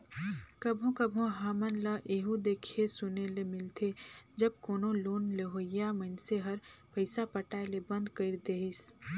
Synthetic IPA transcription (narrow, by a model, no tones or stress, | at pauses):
kɐbʱõkɐbʱõɦaːmənləʔeːɦud̪eːkʰesʊnelemɪlt̪ʰed͡ʒɐb̚koːnõloːnleɦoːɪjamənseɦɐɾpəɪsapəʈaːelebɐ̃nd̪kəɪɾd̪eːɦɪs